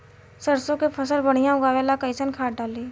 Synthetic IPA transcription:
səɾsõkepʰəsəlbəɽ̤ijãʊɡaʋɛːlakəɪsənkʰaːʈ̚ɖaːliː

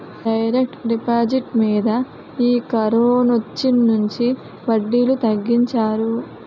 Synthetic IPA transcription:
ɖɐjɾek̚ʈɾipaːd͡ʒiʈmiːd̪ɐ | iːkɐɾoːnot͡ʃːinːuɲt͡ʃi | ʋɐɖːiːlut̪ɐɡːiɲt͡ʃaːɾu

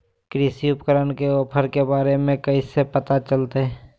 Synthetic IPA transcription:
kɾisiʊpkəɾənkeɔːpʰəɾkebaːɾemẽkɐisepət̪at͡ʃəlt̪eɦɛː

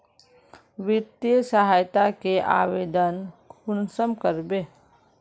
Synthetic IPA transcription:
ʋɪt̪jəsəɦaːjt̪akeʔa̰ːʋeːd̪ənkʰʊnsəmkəɾbeː

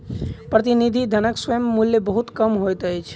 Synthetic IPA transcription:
pɾət̪inid̪ʱid̪ʱənəkswəjəmːuljəbəɦut̪kəmɦojt̪əjt͡ʃʰ

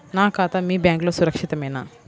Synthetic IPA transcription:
naːkaːt̪ɐmiːbjaːŋkloːsuɾɐkʂit̪ɐmɐjnaː

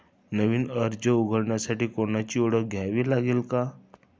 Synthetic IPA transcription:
nəʋiːnəɾd͡ʑəuɡʱəɽɳjasaʈiːkoɳat͡ɕiːoɽək̚ɡʱjaʋiːlaɡelka

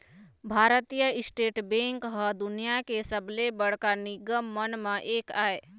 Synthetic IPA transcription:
bʱaːɾt̪ijəɪsʈeːʈbẽːŋkɦəd̪ʊnijakesəblebəɽ̤kanɪɡəmːənmãʔeːkaːeː

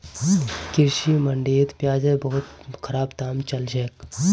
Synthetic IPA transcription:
kɪɾʃiməɳɖeːd̪pjaːd͡ʒẽbɐɦʊt̪kʰəɾaːbt̪aːmt͡ʃɐld͡ʒek

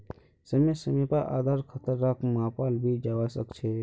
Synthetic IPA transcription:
səmesəmepaʔa̰ːd̪ʱaːɾkʰət̪əɾːaːkʰmãːpaːlbʱid͡ʒaːʋasəkt͡ʃʰe

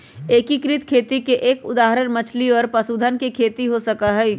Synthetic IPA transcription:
eːkikɾɪt̪kʰeːt̪ikeʔeːkʊd̪aːɦɾənmɐt͡ʃʰliɔːɾpɐsuːd̪ʱənkekʰeːt̪iɦosɐkaɦɛ

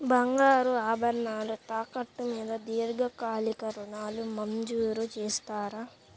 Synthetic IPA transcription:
bɐŋɡaːɾuaːbɐɾnaːlut̪aːkɐʈːumiːd̪ɐd̪iːɾɡɐkaːlikɐɾuɳaːlumɐɲd͡ʒuːɾut͡ʃeːst̪aːɾa

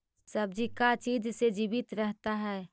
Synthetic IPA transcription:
sɐb̚d͡ʒikat͡ʃiːd͡ʒsed͡ʒiːbɪt̪ɾɛɦt̪aɦɛː

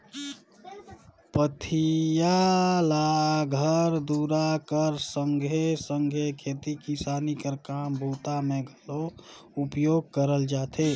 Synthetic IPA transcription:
pət̪ʰijalaɡʱəɾd̪uɾakəɾsəŋɡʱesəŋɡʱekʰet̪ikisanikəɾkambʱuːt̪ameɡʱəlo | upjoɡ̚kəɾəld͡ʒaːt̪ʰe

